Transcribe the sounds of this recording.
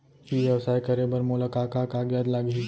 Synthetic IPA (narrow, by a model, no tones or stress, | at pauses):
kiʋjɐʋsaːjkəɾebəɾmulakakakaɡjad̪laɡi